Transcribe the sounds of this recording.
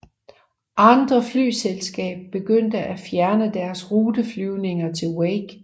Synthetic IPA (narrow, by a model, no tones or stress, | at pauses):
ʔɑ̈nd̥ʁɐfly̰ːselsɡ̥ɛ̰ːb̥̚ːe̝ɡ̥øn̰d̥əʔæfjæɐnəd̥æɐsʁuːd̥əflyʊne̝ŋɐt͡sʰe̝lweɡ̥